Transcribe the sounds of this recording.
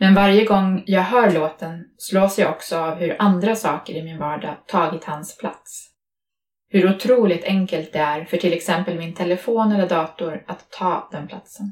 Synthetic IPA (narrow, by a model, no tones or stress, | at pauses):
mɛnvaɾjəɡɔŋːjɑːɡɦœːɾɭoːt̪ənsloːsjaɔksɔavhɵɾʔand̪ɾasɑːkəɾɪmɪnvɑːɖɑt̪ʰɑːɡɪt̪hanspʰla̰t̪s | hɵɾʊt̪ʰɾuːlɪk̚t̪ʰɛŋkəlt̪̚d̪ɛæɾfœʈʰɪlɛksɛmpəlmɪnt̪ʰɛləfoːnɛlːəɖɑːt̪ʊɾat̪ʰːɑːd̪̥ɛnpʰlat̪sən